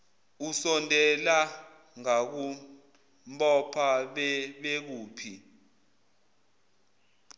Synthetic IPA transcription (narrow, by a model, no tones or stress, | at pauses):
usɔndʱɛla | ŋak̬u | mpʼɔpʰaɓɛɓek̬uːpʰi